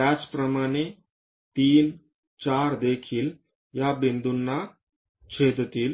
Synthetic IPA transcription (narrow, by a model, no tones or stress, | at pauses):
at͡spɾəmaɽ̃e | t̪iːn | t͡ɕaɾd̪ekʰiːl | jabend̪unːa | t͡ɕʰed̪t̪iːl